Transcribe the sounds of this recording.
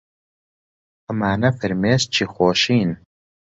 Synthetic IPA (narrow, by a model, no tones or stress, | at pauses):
əmaːnɐfɨɾmeːst͡ʃʰiːxʷoːʃiːn